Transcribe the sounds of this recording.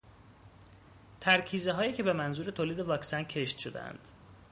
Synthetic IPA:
t̪ʰæɾcʰiːzeɦɒːjiːcʰe̞be̞mænzuːɾe̞t̪ʰoːliːd̪e̞vɒːksæncʰe̞ʃt̪ʃod̪ḛæ̰nd̪̥

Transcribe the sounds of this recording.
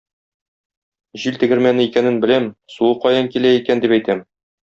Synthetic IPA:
ʑilt̪ɘ̆ɡɘ̆ɾmænɘikænɘnbɘ̆læmsuɤqɒjɤŋkilæikænd̪ipæjt̪æm

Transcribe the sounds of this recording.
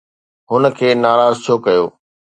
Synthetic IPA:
ɦʊnə̆kʰeːnaːɾaːzt͡ɕʰoːkɐjo̰ː

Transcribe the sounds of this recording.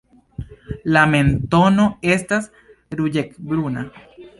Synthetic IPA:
lamẽnt̪onoest̪as | ɾuʎekbɾuna

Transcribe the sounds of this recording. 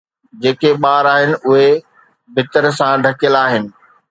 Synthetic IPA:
d͡ʑeːkʰeɓaːɾaːɦɪnɪ̆ʔʊɦe | bʱɪt̪əɾsãɖʱɐkjəlaːɦɪnɪ̆

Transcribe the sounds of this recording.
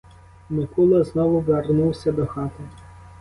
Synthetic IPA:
mɪkulˠɐznɔʋʊʋernuwsʲɐd̪ɔxɑt̪ɪ

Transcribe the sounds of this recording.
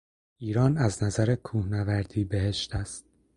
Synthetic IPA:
ʔiːɾɒːnæznæzæɾe̞kʰuːhnævæɾd̪iːbe̞ɦeʃt̪ʰæst̪̚

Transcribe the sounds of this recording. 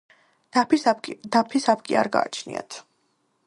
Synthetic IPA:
d̪apʰisap̚kʼiaɾɡa̰ːt͡ʃʰnḭa̰t̪ʰ

